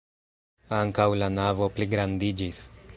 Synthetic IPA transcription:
aŋkawlanavo̞pliɡɾandid͡ʒis

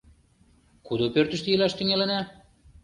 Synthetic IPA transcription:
kud̪opørt̪ɘ̆ʃt̪ejelæʃt̪yŋælenæ

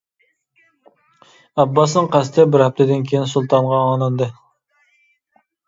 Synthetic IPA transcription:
ɑbːɑsnɨŋqʰæst̪ʰɪbɪɾhæp̚t̪ʰɪd̪ɪnkʲʰejinsulˠt̪ʰɑnʁɑɑːnɨnd̪ɨ

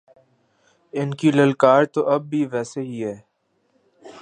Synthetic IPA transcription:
ɪnkiləlkaːɾt̪oʔɐb̚ːʱiʋɛːseɦiɦɛː

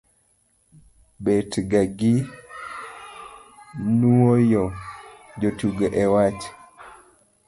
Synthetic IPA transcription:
betɡaɡi | nuojɔd͡ʒotuɡeʔɛwat͡ʃ

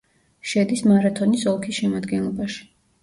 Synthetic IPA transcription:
ʃɛd̪ismaɾat̪ʰɔnisɔlˠkʰisʃɛmad̪ɡɛnlˠɔbaʃi̥

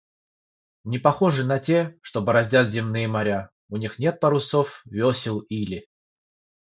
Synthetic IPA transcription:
nʲɪpɐxoʐɨnɐtʲe̞ʂt̪obəɾɐzʲdʲat̪zʲɪmnɨjəmɐɾʲa | ʊnʲixnʲe̞t̪̚pəɾʊsofvʲosʲɪlˠilʲɪ

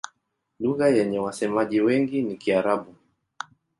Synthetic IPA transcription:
luɣajɛɲɛwasɛmaʄiwɛŋɡinikiaɾaɓu

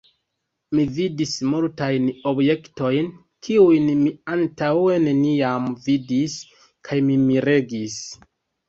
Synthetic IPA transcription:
mividismultajno̞bje̞kto̞jn | kʰiujnmiantawe̞ne̞niamvidis | kʰajmimiɾe̞ɡis

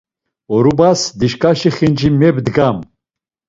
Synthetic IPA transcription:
ɔɾubasd̪iʃkʼaʃiχind͡ʒimɛbd̪ɡam

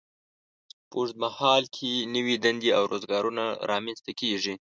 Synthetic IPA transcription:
poʐd̪̚mahɑlkʰenəwid̪and̪ia̰wɾʔozɡɑɾunaɾʔɑmanst̪akeʐi

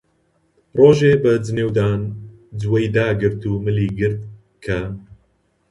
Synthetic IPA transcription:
roːʒeːbɐd͡zɨneːwd̪aːn | d͡zwɐjd̪aːɡɨɾt̪ʰuːmɨliːɡɨɾt̪̚ | kʰɐ

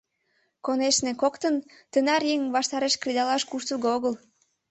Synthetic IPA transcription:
koneʃnĕkokt̪ənt̪ənɑɾjeŋβɑʃt̪ɑɾeʃkrid̪ɑlɑʃkuʃt̪əɣoɣəl

